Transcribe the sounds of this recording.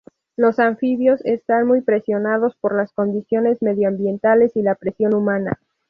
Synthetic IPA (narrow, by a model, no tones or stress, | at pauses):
lo̞saɱfiβjo̞se̞st̪anmujpɾe̞sjo̞nað̞o̞spo̞ɾlasko̞nd̪isjo̞ne̞zme̞ðjoambje̞nt̪ale̞silapɾe̞sjo̞numãna̰